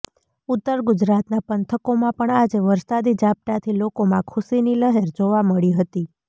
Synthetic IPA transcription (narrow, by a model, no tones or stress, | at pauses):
ʊt̪ːəɾɡʊd͡ʒɾat̪napənt̪ʰəkomãpəɳad͡ʒeʋəɾsad̪id͡ʒap̚t̪at̪ʰilokomãkʰuʃiniləɦeɾd͡ʒoʋaməɭiɦət̪i